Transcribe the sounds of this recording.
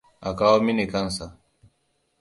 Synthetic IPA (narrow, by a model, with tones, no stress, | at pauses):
ʔa˨kaː˦woː˦mi˦ne˨kɐ˦nsa˨ʔ